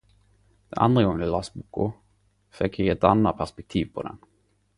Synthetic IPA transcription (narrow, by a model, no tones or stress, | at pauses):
d̪̥ɛna̰nd̪ɾaɡɔŋːənɪlasbukːʊ̰ | fɛkːɪɛt̪anːat̪̚pʰæʂpɛk̚t̪ʰiːvpʰɔd̪ɛ̰n